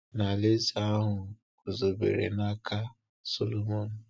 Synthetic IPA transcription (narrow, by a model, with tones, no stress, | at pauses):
na˨le˦za˦ɦʊ˨ | kʊ˨zo˨bḛ˨ɾḛ˨na˦kʰa˦ | so˦lo˦mo˨n̩˨